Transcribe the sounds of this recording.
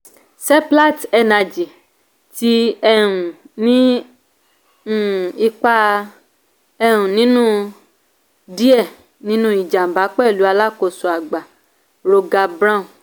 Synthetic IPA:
sɛ˦pla˦˨tɛ˧na˧d͡ʒi˨ | ti˦ɛ˦˧ɾ̃ũ˨ | nĩ˨˦˨ | i˧k͡pa˧ | ɛ˧ɾ̃ũ˨nĩ˨˦nũ˦ | di˦ɛ˦˨ | nĩ˦nũ˦i˦˨d͡ʒa˨m̩˨ba˨˦k͡pɛ˦˨lu˨˦a˧la˦ko˧˨su˨a˨ɡ͡ba˨ | ɾo˧ɡa˧bɾã˦˨

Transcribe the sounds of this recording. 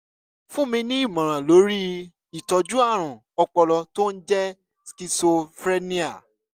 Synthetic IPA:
fũ˦mĩ˧nĩ˦i˦˨mã˨ɾ̃ã˨lo˨˦ɾi˦ | i˨tɔ˧d͡ʒu˦a˦˨ɾ̃ũ˨ | ɔ˧k͡pɔ˧lɔ˧to˦n̩˦d͡ʒɛ˦ | ski˧so˧fɾe˦nĩ˦a̰˨

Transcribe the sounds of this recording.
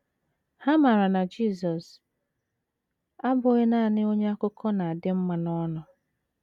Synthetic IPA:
ha˦ma˨ɾa˨na˨d͡ʒiː˦˨sɔ˨s | a˦bʊ˨˦ɣe˦na˦˨nɪ˦o˦ɲe˦a˦kʊ˦kʰɔ˦na˨a˨dɪ˦m̩˦ma˨nɔ˦nʊ˨

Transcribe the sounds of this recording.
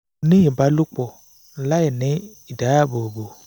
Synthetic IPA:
nɪ̃˦ji˨ba˦lʊ˦k͡pɔ˨ | la˦jɛ˨nẽ˦ | i˨da˨˦a˦bo˨bo˨

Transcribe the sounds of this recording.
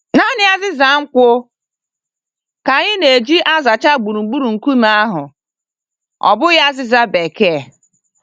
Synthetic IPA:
na˦nɪ˦a˦zɪ˦za˨˦ŋ̩˦kʷʊ˦ | ka˨ɲɪ˦ne˨d͡ʒi˦ʔa˦za˨t͡ʃa˦ɡ͡bu˨ɾu˨ɡ͡bu˦ɾu˨ŋ̩˨ku˦m˨˦a˦ɦʊ˨ | ɔ̰˨bʊ˦ja˦zɪ˦za˦be˨ke˦˨

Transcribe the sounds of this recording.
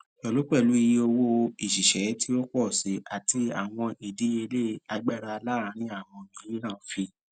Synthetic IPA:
ɛ˨lu˨˦k͡pɛ˦˨lu˨˦i˧ji˧o˧wo˧i˨ʃi˨ʃɛ˨˦tʰi˦o˦k͡pɔ˦˨si˨˦ʔa˨ti˧a˨w̃ɔ̃˧ʔi˨di˨˦e˧le˦˨a˧ɡ͡ba˦˨ɾa˧la˦˨˦ɾ̃ĩ˦a˦˨w̃ɔ̃˧˨nĩ˨˦i˦nã˦˨˦fi˧

